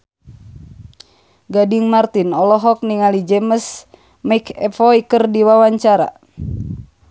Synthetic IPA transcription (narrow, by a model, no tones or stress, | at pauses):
ɡadiŋmart̪inɔlɔɦɔk̚niŋalid͡ʒɛməs | maikʰɛfɔikərdiwawaɲt͡ʃaɾa̰